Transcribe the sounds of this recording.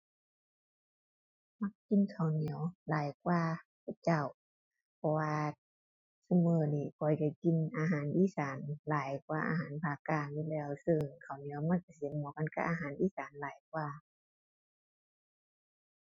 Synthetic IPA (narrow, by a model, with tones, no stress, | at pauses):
ma˧˩k̚ːi˧˨nkʰa˨˩˨wni˨˦wlaː˨˦jkwaː˧˨ka˨˩t͡ɕa˧˩˨w | pʰɔ˧waː˧ | sa˧mɤː˧˦niː˧˩kʰɔ˨˩˦jka˧˩ki˧˥˨nʔaː˧ɦaː˨˦nʔiː˧˥˨saː˨˦nlaː˨˦jkwaː˧ʔa̰ː˧ɦaː˨˦npʰaː˧kaː˧˨ɲi˧˨lɛː˧˩˨wsɯ˧ŋkʰa˨˩wni˨˦ə˦wma˧˥˨nka˨˧˦si˨˧˦nmɔː˨˦ka˧˨nka˧˥ʔaː˧ɦaː˨˦nʔiː˧˥˨saː˨˦nlaː˨˦jk̚waː˧˩